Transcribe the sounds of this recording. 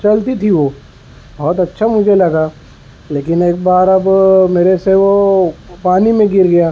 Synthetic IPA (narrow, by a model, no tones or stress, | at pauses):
t͡ʃɐlt̪it̪ʰiʋoː | bɔːt̪ɐtːʃʰamʊd͡ʒʱelɐɡaː | leːkɪneːk̚baːɾɐbmeːɾeseʋopaːnimẽɡɪɾɡɐjaː